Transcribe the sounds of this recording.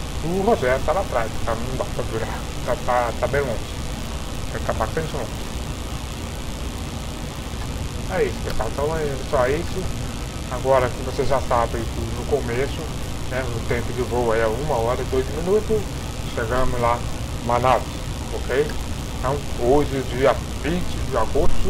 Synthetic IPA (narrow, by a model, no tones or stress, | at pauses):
ʊɦozɛɾt̪aɾat̪ɾazkɪ̥t̪anũũb̪ap̪avuɾa | t̪at̪at̪abẽlõsɪ̥ | ɛ̃t̪amakt̪ẽsõs | ɛisʊ̥peɾkat̪ɐ̃w̃ɛɛsɔɛisʊ | aɡɔɾɐkɪvoseʒasabɪait̪unʊkomesʊ | nɛʊt̪ẽmpʊd͡ʒɪvowaiaũmɐɔɾɐɪd̪ojzɪmĩnut̪ʊs | ʃeɡɐ̃mʊzla | manad͡ʒɪ | okej | t̪ɐ̃w̃oʒɪd͡ʒiɐ | vĩnt͡ʃɪd͡ʒɪaɡost̪ʊ